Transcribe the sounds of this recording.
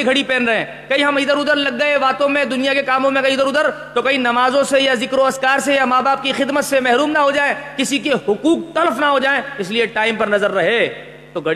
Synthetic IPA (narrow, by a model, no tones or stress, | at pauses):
eɡʱɐɽipɛ̃ːnɾɐɦẽː | kɐiɦɐmɪd̪əɾʊd̪əɾlɐɡːɐeʋaːt̪õmẽd̪ʊnijakekaːmõmẽkɐiɪd̪əɾʊd̪əɾ | t̪okɐinɐmaːzõsejazɪkɾoɐskaːɾsejamaːbaːp̚kixɪd̪mət̪semɛɦɾuːmnɐɦod͡ʒaːẽkɪsikehʊkuːk̚t̪ɐləfnaɦod͡ʒaːẽɪslieʈaːɪmpɐɾnɐzəɾːɐɦe | t̪oɡʱɐɽ